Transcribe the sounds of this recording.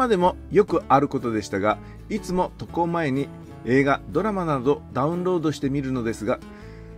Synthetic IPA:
ad̪e̞mo̞jo̞kɯ̟ʔaɾɯ̟ko̞t̪o̞d̪e̞ɕi̥t̪aɡa | it͡sɨmo̞t̪o̞ko̞mae̞ɲ̟i | e̞ːɡad̪o̞ɾamanao̞d̪aɯ̟̃nɾo̞ːd̪o̞ɕi̥t̪e̞mʲiɾɯ̟no̞d̪e̞sɨɡa

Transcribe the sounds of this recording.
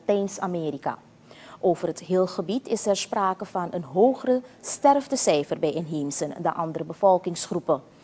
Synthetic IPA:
tɛjnsa̰mɪːɾika̰ː | ʔowvərɦətɦɪːlˠχəbitɪsɛrspraːkəvɑnənɦowχərəstɛrvdəsɛjfərbɛjɪnɦimsəndəʔɑndəɾəbəvɔlˠkɪŋsχrupə

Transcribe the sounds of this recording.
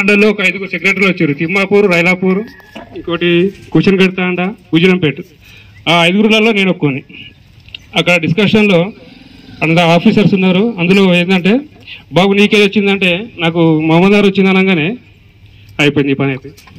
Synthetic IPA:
ɐɳɖɐlo̞ːɔkɐɐjd̪uɡuɾseɡɾeʈɐɾloːt͡ʃːiːɾut̪imːaːpuːɾuɾɐjlaːpuːɾu | iŋkoːʈikuːt͡ʃɐnkeɽut̪aːɐɳɖaɡuːd͡ʒɐnɐmpe̞ːʈu | aːɐjd̪uɡuɾulaːlːo̞ːne̞ːnokːoːni | ɐkːɐɽɐɖiskɐʂɐnlo̞ː | ɐnɐd̪ɐaːpʰiːsɐɾsunːaːɾuɐnd̪ulo̞ːeːnd̪ɐɳʈe̞ː | baːbuniːkeːd̪ot͡ʃːind̪ɐɳʈe̞ːnaːkumɐmɐnaːɾot͡ʃːind̪ɐnɐŋɡaːne̞ː | ɐjipojind̪ipɐneːt̪e

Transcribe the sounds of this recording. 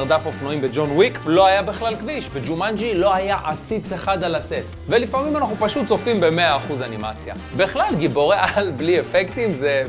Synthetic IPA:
ʁd̪afofnoimbed͡ʒo̞nwiklo̞ajabiχlalkviʃbed͡ʒumand͡ʒilo̞ajaʔat͡sit͡seχad̪alaset | ve̞lifamimanaχnupaʃut̪̚t͡so̞fimbe̞me̞aːχuzanimat͡sja̰ | beχlalɡibo̞ʁeʔalbliefekt̪imze̞

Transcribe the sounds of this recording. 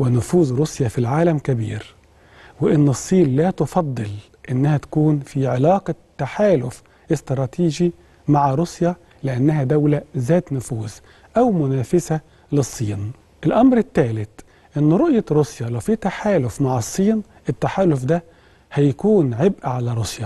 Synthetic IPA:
wɪnʊfuːzɾusjafilʕaːlæmkæbḭːɾ | wɪʔɪnːɨsˤːiːnlæːt̪ʊfɑd̪ˤːɨl | ʔɪnːæhæt̪æ̥kuːnfiʕelɑːqɑt̪ːaħaːlʊf | ʔɪst̪ɾˤɑːt̪ʰiːʒi | maʕaɾusja | lɪʔanːæɦæd̪æwlæzæːt̪nʊfuːz | ʔawmʊnæːfɪsa | lɨsˤːiːn | ʔɪlʔɑmɾɪt̪ːæːlɪt̪ | ʔɪnːɾˤoʔjaɾusjɑlæwfiːt̪aħaːlʊfmaʕɑsˤːiːn | ʔɪt̪ːaħaːlʊfd̪æ | hæjakuːnʕɪbʔaʕalæɾˤʊsjɑ

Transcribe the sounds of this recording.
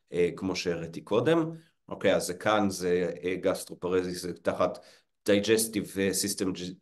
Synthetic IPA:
ekmoʃeʁet̪ikʰodem | ʔokejazːɛkʰanzeɡast̪ʁopaʁezizetaχat | d̥ajd͡ʒɛstivesistemd͡ʒ

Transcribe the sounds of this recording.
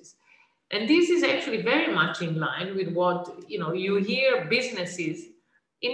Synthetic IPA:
z | ʔɛ̃nd̪ɪsɪzæk̚t͡ʃuəlˠivɛɾimʌt͡ʃɪ̃nlãɪ̃nwɪd̪wɔtjunoːjuɦiəɾbɪznɪsɪz | ʔɪ̃

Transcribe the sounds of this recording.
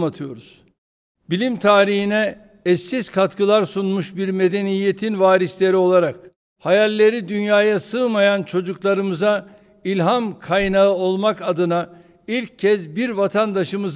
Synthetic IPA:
mat̪ʰɯjo̞ɾuz̥ | bilʲimt̪ʰaːɾihinɛ | ɛsːiz̥kʰat̪kɯlˠaɾsunmuʃbiɾme̞d̪e̞nijːe̞t̪ʰinvaːɾislʲe̞ɾio̞lˠaɾak | hajalʲːe̞ɾid̪ynjaːjasɯmajant͡ʃʰo̞d͡ʒuklˠaɾɯmɯza | ilʲɦamkʰajnaɯo̞lˠmakad̪ɯna | ilʲcʰːɛzbiɾvat̪ʰand̪aʃɯmɯz

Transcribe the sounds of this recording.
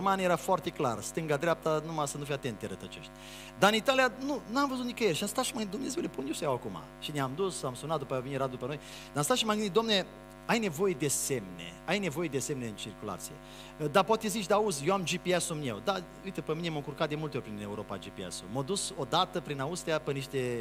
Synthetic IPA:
manjeɾafoart̪e̞kla̰rst̪ɨŋɡad̪ɾʲeap̚t̪anumasənufijat̪ent̪d̪eɾət̪ət͡ʃo̰ʃt̪ʲ | d̪anit̪alijanunamvəzut̪nikəjelʃamst̪at̪ʃimaɡɨid̪umne̞zewleponjesjawakuma̰ʃineamd̪usamsunat̪̚d̪upajaveniɾat̪̚d̪upəno̞j | d̪anmst̪aʃimamɡɨnit̪d̪amne̞ | ajne̞vo̞jed̪e̞se̞mnḛajne̞vo̞je̞d̪ese̞mneɨnt͡ʃirkula̰t̪sije̞̰ | d̪apat̪ezit͡ʃʲd̪auzʲjeamd͡ʒipiasumḛwd̪a | ujt̪əpəmine̞məŋkurkat̪̚d̪e̞mult̪eoɾpɾine̞uɾo̞pa̰d͡ʒipia̰sumod̪uso̞d̪at̪əpɾinaust̪ijapəniʃt̪e̞

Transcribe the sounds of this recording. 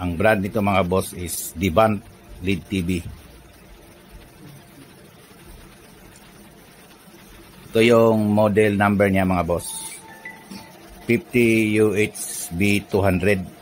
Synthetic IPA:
ʔɐŋbɾand̪nɪt̪omɐŋabosɪsd̪ibant̪̚ | lid̪̚t̪ibi | ʔɪt̪ojʊŋmod̪ɛlnambɛɹɲamɐŋabos | pift̪ijuʔɛt͡ʃsbit̪uɦand̪ɾɛd̪̚

